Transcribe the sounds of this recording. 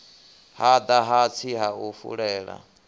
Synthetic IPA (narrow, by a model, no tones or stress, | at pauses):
had̪aɦat͡sʰiɦaufṵɺɛːɺa̰